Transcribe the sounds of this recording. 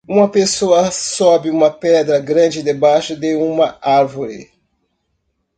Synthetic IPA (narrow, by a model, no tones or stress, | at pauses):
ũmɐpesoɐsɔbɪũmɐpɛd̪ɾɐɡɾɐ̃d͡ʒɪd̪ebajʃʊd̪eũmɐʔaɾvoɾɪ̰